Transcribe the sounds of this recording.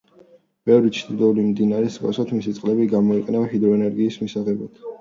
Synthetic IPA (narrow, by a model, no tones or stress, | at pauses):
b̥ɛvɾit͡ʃʰd̪id̪ɔulimd̪inaɾɛsa̰sat̪ʰmisit̪sʼqʼlɛbiɡamɔiqʼɛnavɦid̪ɾɔɛnɛɾɡiːsmisaʁɛbad̪̥